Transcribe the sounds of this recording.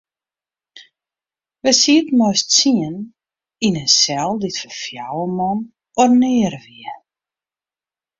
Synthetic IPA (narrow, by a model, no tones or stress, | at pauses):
ʋəsiətmojstsiən | inənsɛlˠditfəfjawəmɔn | ornɪəɾʋiə